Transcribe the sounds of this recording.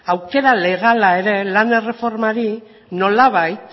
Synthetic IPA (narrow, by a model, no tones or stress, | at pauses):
awke̞ɾale̞ɣ̞alae̞ɾe̞lane̞re̞fo̞ɾmaɾi | no̞laβajt̪